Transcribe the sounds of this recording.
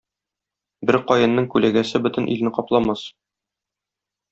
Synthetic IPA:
bɘɾqɒjɤ̆nːɤɴkʉlæɡæsɘbɵ̆t̪ɘ̆nʔḭlnɘqɒplˠɑmɑs

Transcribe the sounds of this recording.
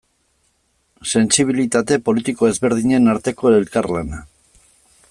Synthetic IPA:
se̞nsiβ̞ilit̪at̪e̞po̞lit̪iko̞e̞zβe̞ɾð̞iɲe̞naɾt̪e̞ko̞elkarlana

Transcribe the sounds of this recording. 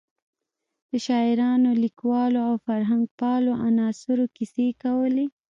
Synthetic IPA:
d̪̥əʃɑɪɾɑnolikwɑloawfaɾɦaŋɡ̚pɑloʔanɑsʊɾokisekawəle

